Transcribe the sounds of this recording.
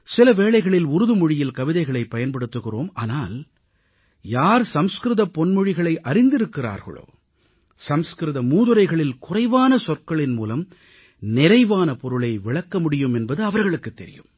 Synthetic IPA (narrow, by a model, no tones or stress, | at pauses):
sɪlɐʋeːɭɐɪɣɐɭɪlʊɾɯðɯmʊɻɪjɪlkɐʋɪðɐɪɣɐɭɐɪpːɐjɐnpɐɽɯt̪ːɯɣɪroːma̰ːnaːl | jaːɾsɐmskɾɯðɐpːɔnmʊɻɪɣɐɭɐɪʔɐɾɪnd̪ɪɾɯkːɪra̰ːɾɣɐ̰ɭo̰ː | sɐmskɾɯðɐmuːðɯɾɐɪɣɐɭɪlkʊrɐɪʋaːnɐsɔrkɐɭɪnmuːlɐm | nɪɾɐɪʋaːnɐpɔɾɯɭɐɪʋɪɭɐkːɐmʊɽɪjɯmɛnbɐðɯɐʋɐɾɣɐɭɯkːɯt̪ːɛɾɪ̰jɯ̰m